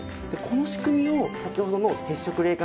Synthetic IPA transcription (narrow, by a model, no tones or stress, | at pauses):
d̪̥eko̞no̞ɕi̥kɯ̟mʲio̞sakʲiho̞d̪o̞no̞se̞ɕːo̞kɯ̟ɾe̞ːkã